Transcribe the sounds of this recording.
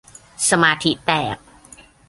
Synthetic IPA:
sa˧maː˧t̪ʰi˦˥t̪ɛː˨˩p̚

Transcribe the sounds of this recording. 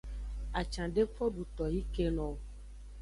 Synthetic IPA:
a˨t͡ʃã˨ɖe˦fɔ˦ɖu˨t̪ɔ˨ji˦ke˦nɔ̃˨

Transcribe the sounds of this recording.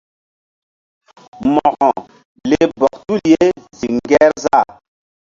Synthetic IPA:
mɔ˨ɣɔ˨ | le˦bɔ˨k̚tu˦lje˦zi˨ŋɡɛ˦ɾza˦˨

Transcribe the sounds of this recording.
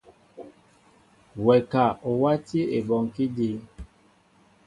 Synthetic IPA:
wɛ˨ka˨ʔo˨wa˦ti˦e˨bɔ˨ŋki˦di˦

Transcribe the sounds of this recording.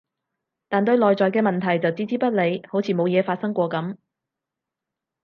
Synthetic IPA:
t̪aː˨nt̪ɵ˧ɥlɔː˨jt͡sɔː˨jkɛː˧mɐ˨nt̪ʰɐ˨˩jt͡sɐ˨wt͡siː˥t͡siː˥pɐ˥t̚le˨˧jho˨˥wt͡sʰiː˨˩mo˨˧wjɛː˨˧faː˧t̚sɐ˥ŋkʷɔː˧kɐ˨˥m

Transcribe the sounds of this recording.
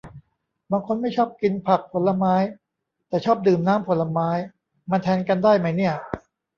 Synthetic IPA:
baː˧ŋkʰo˧nma˥˩jt͡ɕʰɔː˥˩p̚ki˧npʰa˨˩k̚pʰo˩˦nlːa˧maː˦˥j | t̪ɛː˨˩t͡ɕʰɔː˥˩p̚dɯː˨˩mnaː˦˥mpʰo˩˦la˧maː˦˥j | ma˧nt̪ʰɛː˧˥nka˧ndaː˥˩jma˦˥jni˥˩ɐ

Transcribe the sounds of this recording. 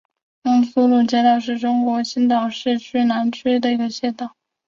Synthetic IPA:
nʊ˥ŋsu˥lu˥˩t͡ɕjɛ˥t̪ɑ˨˧˩ʊʂ̬ɻ̩˥˩ʈ͡ʂʊ˥ŋkwɔ˧˥ɕi˥nt̪ɑ˨˩ʊʂɻ̩˥˧t͡ɕʰy˥˩na˧˥nʈ͡ʂʰe˥d̪ə˨i˧˥ɡə˧ɕjɛ˥˩t̪ɑ˥˩˦

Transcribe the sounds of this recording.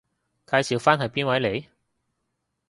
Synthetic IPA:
kaː˨˧jsiː˨˧wfaː˥nɦɐ˨jpiː˥nwɐ˨˥jle˨˧j

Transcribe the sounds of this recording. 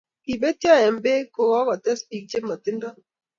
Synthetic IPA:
pi˨be˦tjɔ˦˨ɛ˨mbe˦ko˨ɣɔ˦kɔ˨tɛ˦spi˨k̚d͡ʒe˦mɔ˨tɪ˦ndɔ˦

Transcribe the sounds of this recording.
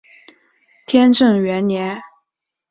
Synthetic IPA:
t̪ʰjɛ˥nʈ͡ʂɤ˥˩ŋɥɛ˧˥nnjɛ˧˥n

